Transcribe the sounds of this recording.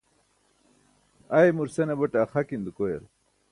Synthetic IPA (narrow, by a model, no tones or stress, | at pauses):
aemuɾsenebɐʈaːxakind̪ukojḛɾ